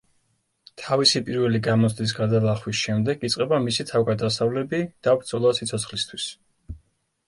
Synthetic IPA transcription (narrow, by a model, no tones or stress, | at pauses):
t̪ʰavisipʼiɾvɛliɡamɔsʰd̪is̬ɡad̪alˠaχwisʃɛmd̪ɛɡit̪sʼqʼɛbamisit̪ʰavɡad̪asavlɛbid̪̥avbɾt̪sʰʼɔlˠasit̪sʰɔt̪sʰχlist̪ʰwis